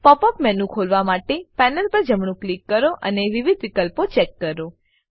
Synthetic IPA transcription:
pɔpəpmɛnũkʰolʋamaʈepɛnəlpəɾd͡ʒəmɳũklikːəɾoʔəneʋiʋid̪ʋikəlpot͡ʃɛkːəɾo

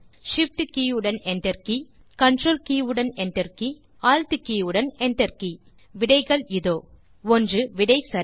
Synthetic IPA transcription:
ʂɪf̚ʈkiːɯɽɐnɛnɖɐɾki | kɐɳɖroːlkiːɯɽɐnɛnʈɐɾki | aːlt̪ɯkiːɯɽɐnɛnʈɐɾki | ʋɪɽɐɪɣɐɭɪðoː | ɔndrɯʋɪɽɐɪsɐɾ

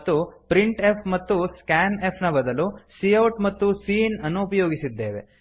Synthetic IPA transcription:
t̪ːupɾiɳʈepʰmɐt̪ːuskaːnepʰnɐbɐd̪ɐlusiɐwʈmɐt̪ːusiːnɐnoːpɐjoːɡisid̪ːe̞ːʋe̞̰

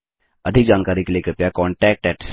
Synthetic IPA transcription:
ɐd̪ʱɪk̚d͡ʒaːnkaːɾikelieːkɐɾpjakɔːɳʈɛːk̚ʈɛːʈs

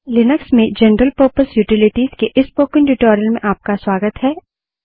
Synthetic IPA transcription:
lɪnəksmẽd͡ʒɛnɾəlpəɾpəsjuːʈɪlɪʈiːz̥keʔɪspoːkɪ̃nʈuʈɔːɾiəlmẽʔaːp̚kaswaːɡət̪ɦɛː

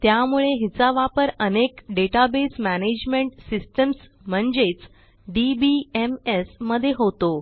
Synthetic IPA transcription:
t̪jamuɭeɦit͡saʋapəɾənekɖeʈabesmæned͡ʑmeɳʈsisʈəms | m̤əɳd͡zet͡s | ɖibiemesməd̪ʱːjeɦot̪o

